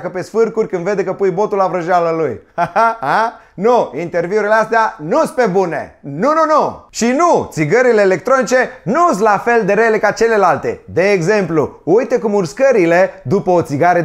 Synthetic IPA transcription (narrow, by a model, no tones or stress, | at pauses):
kəpe̞sfɨrkurʲkɨnd̪ve̞d̪ekəpujbo̞t̪ulavɾəʒaləlujahaha | nuint̪e̞rviuɾileast̪eanuspe̞bune̞̰nununuʃinut̪siɡəɾile̞ːle̞k̚t̪ɾo̞nit͡ʃe̞nuslafe̞ld̪eɾele̞kat͡ʃe̞le̞lalt̪e̞̰d̪e̞ːɡze̞mpluujt̪ekumurskəɾile̞d̪upəot̪siɡaɾə